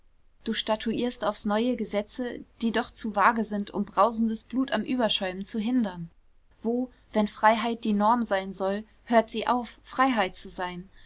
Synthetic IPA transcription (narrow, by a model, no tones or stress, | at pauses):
d̥uːʃtatʰuʔiːɐstaʊfsnɔʏəɡəzɛt͡səd̥iːdɔχt͡suːvaːɡəzɪntʔʊ̰mbʁaʊzn̩dəsb̥luːtamʔyːbɐʃɔʏmənt͡suɦɪndɐn | voː | vɛnfʁ̥aɪɦaɪt̚d̥iːnɔɐmzaɪnzɔl | høːɐtz̥iːʔaʊfːʁ̥aɪɦaɪtt͡suzaɪn